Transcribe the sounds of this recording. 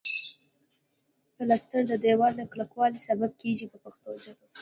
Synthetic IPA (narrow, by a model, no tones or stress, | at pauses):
pəlast̪əɽd̪əd̪ewɑld̪əklakwɑlisabab̚keʒipəpaxt̪oza